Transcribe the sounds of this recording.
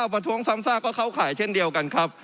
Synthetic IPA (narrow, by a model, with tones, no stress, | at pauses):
wpɾa˧t̪ʰu˦˥əŋsa˦˥msaː˥˩kːɔː˥˩kʰa˥˩wkʰaː˩˦jt͡ɕʰe˥˩ndi˧əwka˧nkʰa˦˥p̚